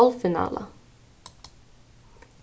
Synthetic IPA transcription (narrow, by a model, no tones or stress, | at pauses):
alfɪna̰ːlʔa̰